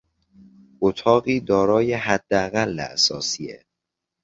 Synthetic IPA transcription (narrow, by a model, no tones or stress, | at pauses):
ot̪ʰɒːɣiːd̪ɒːɾɒːjeɦæd̪̥ːeæɣælːḛæ̰sɒːsiːḛ